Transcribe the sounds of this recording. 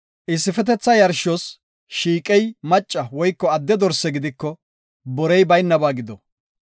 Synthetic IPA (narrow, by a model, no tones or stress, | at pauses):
ʔɪsːɪfɛt̪ɛt͡sːɐjɐɾʃɔs | ʃiːkʼɛjmɐt͡ʃʼːɐwɔjkːɔɐd̪ːɛd̪ɔɾsːɛɡɪd̪ɪkːɔ | bɔɾɛjbɐjnːɐbaːɡɪd̪ɔ